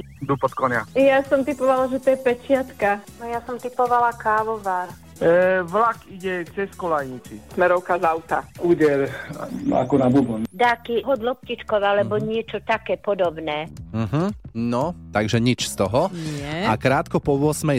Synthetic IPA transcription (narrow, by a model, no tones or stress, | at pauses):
d̪upɔt̪kɔɲajasɔmt̪ipɔʋalaʒɛt̪ɔjɛpɛt͡ʃɪat̪kanɔjasɔmt̪ipɔʋalakaːʋɔʋaɾ | ʋlakiɟɛt͡sɛskɔlajɲit͡sismɛɾɔʊkazawt̪a̰uːɟɛɾ | a̰kɔnabubɔnd̪akiɦɔd̪lɔp̚cit͡ʃkɔʋalɛbɔɲɪɛt͡ʃɔt̪akɛːpɔd̪ɔbnɛːm̩ɦm̩nɔt̪aɡʒɛɲit͡ʃst̪ɔɦɔnɪɛakɾaːt̪kɔpɔʋʊɔsmɛ